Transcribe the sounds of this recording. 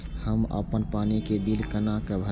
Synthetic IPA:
həmə̰pənpanikebilkənakəbʱə

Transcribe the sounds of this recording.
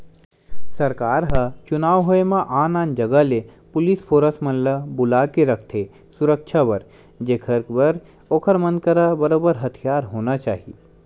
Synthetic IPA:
sɐɾkaːɾɦɐt͡ʃʊnaːwɦoemãʔaːnãːnd͡ʒɐɡəlepʊlispʰoːɾəsmənləbʊlaːkeɾɐkʰt̪ʰe | sʊɾəkʃʰabɐɾ | d͡ʒekʰəɾkbɐɾ | oːkʰəɾmənkəɾabəɾoːbəɾɦɐt̪ʰijaːɾɦoːnat͡ʃaːɦḭ

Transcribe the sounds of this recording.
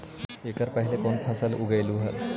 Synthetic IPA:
ekəɾpaɦilekont̪ʰasəlʔuɡəjluɦə̰t̪

